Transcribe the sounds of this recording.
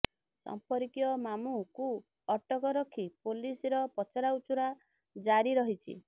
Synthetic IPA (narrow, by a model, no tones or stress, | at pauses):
sɔ̰mpɔɾikjɔmamuku | ɔʈɔkɔɾɔkʰipolisɾɔpɔt͡ʃɔɾaut͡ʃuɾa | d͡ʒaɾiɾɔɦit͡ʃʰḭ